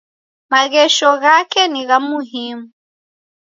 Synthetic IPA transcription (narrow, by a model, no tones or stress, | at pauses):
maɣɛʃɔɣakɛniɣamuɦiːmu